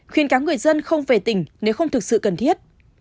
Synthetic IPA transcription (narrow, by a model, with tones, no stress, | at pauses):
xwənkaː˨˦wŋ͡mŋɨ˨˩əjzə˧nxə˧wŋ͡mve˨˩t̪ï˧˩ŋ̟ne˨˦wxə˧wŋ͡mt̪ʰɨ˨˩k̚sɨ̰˧˨kə˨˩nt̪ʰi˦˥ət̚